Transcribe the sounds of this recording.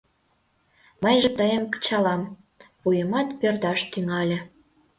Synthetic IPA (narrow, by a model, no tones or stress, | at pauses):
məjʒĕt̪əjəmkə̥t͡ɕɑlɑm | pujəmɑt̪pørd̪ɑʃt̪yŋɑlʲĕ